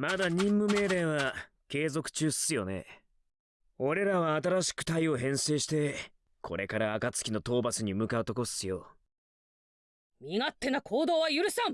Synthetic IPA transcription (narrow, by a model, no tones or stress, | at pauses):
mad̪aɲ̟ĩmːɯ̟me̞ːɾẽ̞βa | ke̞ːzo̞kɯ̟̥t͡ɕɨːsɨ̥ɨjo̞ne̞̰ | o̞ɾe̞ɾaβaːt̪aɾaɕi̥kɯ̟̥t̪aio̞ɦẽ̞ɰ̃se̞ːɕi̥t̪e̞ | kʰo̞̰ɾʔe̞kaɾaːkat͡sɨ̥kʲino̞t̪o̞ːbasɨɲ̟imɯ̟kaɯ̟t̪o̞ko̞̥ɨjo̞ | mʲiŋat̪ːe̞nakʰoːd̪o̞ːβajɯ̟ɾɯ̟ɕsãm